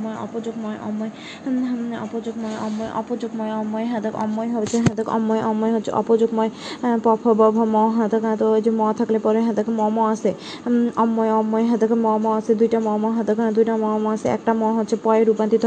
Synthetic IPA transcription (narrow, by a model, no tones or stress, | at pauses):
mɔjɔ̰pɔd͡ʒoɡ̚mɔjʔɔ̰mːɔj | ɔ̰pod͡ʒoɡ̚mɔjɔ̰mːɔjʔɔ̰pɔd͡ʒoɡmɔjɔmːɔjɦɛ̃d̪kɔ̰mːɔjɦobt͡ʃʰeɦɛ̃d̪əkɔ̰mːɔjʔɔmːɔjɦotːt͡ʃʰḛʔɔ̰pɔd͡ʒoɡmɔjpɔpʰɔbɔbʱɔmɔɦãd̪ɔkãt̪od͡ʒemɔt̪ʰaklepɔɾeɦɛ̃d̪əkmɔmɔase | ɔmːɔjɔmːɔjɦɛ̃d̪ɔkmɔmɔased̪ujʈamɔmɔɦãd̪ɔkãd̪ujʈamɔmɔaseɛ̰k̚ʈamɔ̃ɦotːt͡ʃʰepɔeɾupant̪it̪ʰ